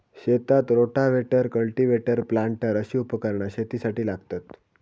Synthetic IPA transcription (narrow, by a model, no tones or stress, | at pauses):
ɕet̪at̪ɾoʈaʋeʈəɾkəɭʈiʋeʈəɾplaɳʈəɾəɕiːupəkəɾɳaɕet̪isaʈiːlaɡt̪at̪